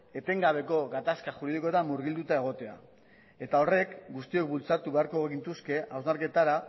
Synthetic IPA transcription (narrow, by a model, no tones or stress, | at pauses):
e̞t̪e̞ŋɡaβ̞e̞ko̞ɣat̪askaxuɾið̞ikot̪amuɾɣild̪ut̪ae̞ɣ̞o̞t̪e̞a̰ | e̞t̪ao̞re̞kɡust̪io̞k̚bult͡sat̪uβe̞aɾko̞eɣint̪uske̞awznaɾke̞t̪aɾa